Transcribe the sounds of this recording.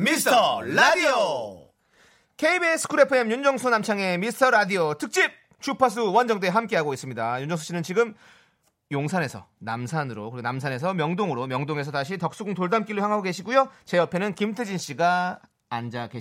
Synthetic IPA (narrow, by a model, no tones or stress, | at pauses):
mitʰʌɾadio | kʰe̞ibesʰɯ̥kʰɯɾepʰɯemjund͡ʑʌŋsʰunamt͡ɕʰaŋe̞mistʰʌɾadiotʰɯk̚t͡ɕ͈ip̚ | t͡ɕʰupʰas̬ʰuwʌnd͡ʑʌŋdeɦamk͈e̞ɦaɡois͈ɯmɲidajund͡ʑʌŋsʰu̥ɕ͈inɯnt͡ɕiɡɯm | joŋsʰane̞sʰʌ̰namsʰanɯɾokɯɾiɡenamsʰane̞s̬ʰʌmjʌŋdoŋɯɾomjʌŋdoŋe̞s̬ʰʌtaɕʰitʌk̚s͈uɡuŋtoɭdamk͈iɭːoçjaŋɦaɡoɡe̞ɕʰiɡujot͡ɕe̞ʌpʰe̞nɯnkimtʰɯd͡ʑinɕ͈iɡaː | nd͡ʑake